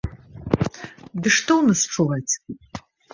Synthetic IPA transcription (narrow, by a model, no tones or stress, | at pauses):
dɨʂtʰownɨsʈ͡ʂʰɨlɐtʰʼ